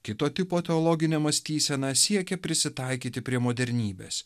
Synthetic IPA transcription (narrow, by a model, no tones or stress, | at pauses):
kʲɪt̪oːt̪ʲɪpoːt̪ʲɛɔlˠɔɡʲɪnʲɛmɐsʲt̪ʲiːsʲɛnɐsʲiɛkʲɛpʲɾʲɪsʲɪt̪ɐˑɪkʲiːt̪ʲɪpʲɾʲiɛmoːd̪ʲɛɾʲnʲiːbʲḛːs